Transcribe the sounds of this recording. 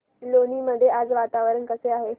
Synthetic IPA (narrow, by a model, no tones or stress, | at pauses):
loniːməd̪ʱːjead͡zʋat̪aʋəɾənkəseaɦe